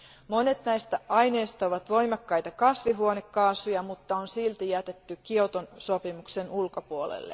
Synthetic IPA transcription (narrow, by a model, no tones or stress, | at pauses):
monet̪næjst̪æʔɑjne̞ːst̪ɑoʋɑt̪ʋo̞imɑkːɑjt̪ɑkɑsʋiɦuonekːɑːsujɑmut̪ːɑonsilt̪ijæt̪et̪ːykiot̪onso̞pimuksenulkopuolḛlːe